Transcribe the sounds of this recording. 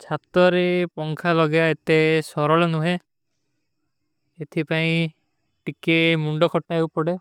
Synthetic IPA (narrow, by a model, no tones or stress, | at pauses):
t͡ʃʰat̪ɔɾepɔŋkʰalɔɡeaet̪esɔɾɔɭɔnuɦẽ | et̪ʰipaĩ | ʈikemuɳɖɔkʰɔʈːaɦewpɔɽe